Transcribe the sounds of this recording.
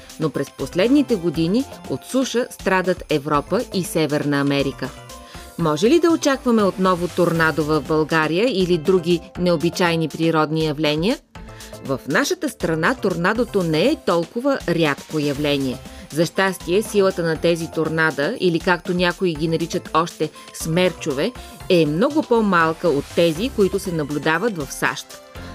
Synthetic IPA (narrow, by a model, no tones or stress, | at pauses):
nopɾɛsposlɛd̪nit̪ɛɡod̪iniot̪suʃəst̪ɾad̪ət̪ɛvɾɔpəʔisɛvɛɾnəːmɛɾikə | mɔʒɛlid̪ɐot͡ʃakvəmɛot̪nɔvot̪oɾnad̪ovɐvbɐlˠɡaɾijəilid̪ɾuɡ̟ʲinɛobit͡ʃajnipɾiɾɔd̪nijɐvlɛnʲiəvəfnaʃət̪əst̪ɾɐnat̪oɾnad̪ot̪onɛɛt̪ɔlˠkʊvəɾʲat̪kojɐvlɛniɛzɐʃt̪ast̪iɛsilˠət̪ənɐt̪ɛzit̪oɾnad̪əilikakt̪onʲakoiɡʲinɐɾit͡ʃət̪ʰɔʃt̪ɛ | smɛɾt͡ʃovɛɛmnɔɡʊpomalˠkəot̪ːɛzikoit̪ʊsɛnɐblʲʊd̪avət̪vɐfsa̰ʃt̪